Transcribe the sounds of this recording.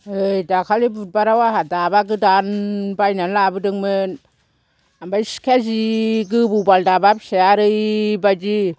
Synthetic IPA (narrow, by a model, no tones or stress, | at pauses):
ɯjdakʰalibut̚baɾawaɦadabaɡɯdanbajnanlabɯdɯŋmɯn | ambajskʰeziɡɯbubaldabap̚seaɾɯjbajd͡ʒi